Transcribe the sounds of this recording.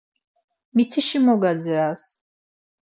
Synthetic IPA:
mit̪ʰiʃimɔɡad͡ziɾas

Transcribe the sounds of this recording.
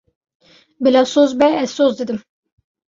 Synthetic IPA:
bɪlɑːsozbɛɛz̥sozd̪ɨd̪ɨm

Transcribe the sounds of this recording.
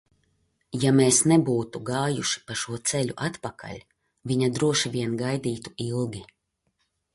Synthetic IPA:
jameːsnɛbuːt̪uɡaːjuʃi̥paʃuɔt̪sɛʎʲuʔat̪paka̰lʲ | vʲiɲad̪ɾuɔʃivʲiɛnɡajd̪iːt̪u̥ilˠɡʲi

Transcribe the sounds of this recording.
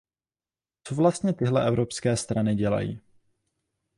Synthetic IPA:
t͡sovlast̪ɲɛt̪ɪɦlɛʔɛvɾopskɛːst̪ɾanɪɟɛla̰jḭː

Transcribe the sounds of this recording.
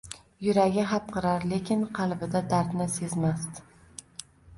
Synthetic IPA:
jʊɾaɡʲɪɦap̚qʰɨɾaɾle̞kʲɪnqʰɑlˠbɪd̪ad̪aɾt̪nɪse̞zmast̪

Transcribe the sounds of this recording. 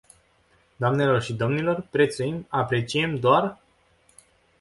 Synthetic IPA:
d̪oamne̞lo̞rʃid̪o̞mnilo̞rpɾe̞t̪sujimapɾe̞t͡ʃie̞md̪oar

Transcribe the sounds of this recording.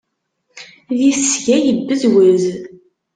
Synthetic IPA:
ðisʝæjəbːəzwəz

